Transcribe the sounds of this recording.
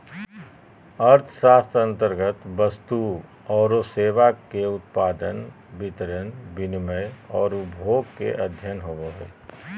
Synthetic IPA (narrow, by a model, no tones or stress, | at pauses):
əɾt̪ʰʃaːst̪ə̃nt̪əɾɡət̪bəst̪u | ɔːɾoseːʋakeʊt̪̚paːd̪ən | bɪt̪ɾənbɪnməjɔːɾʊbʱoːɡkḛʔɐd̪ʱjənɦoʋoɦɛː